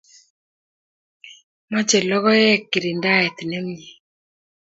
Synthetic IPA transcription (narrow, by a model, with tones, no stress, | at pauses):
ma˦t͡ʃɛ˨lɔ˦ɣɔ˦jɛ˦kːi˨ɾi˨nda˦ɛ˨t̪nɛ˦mɲi˨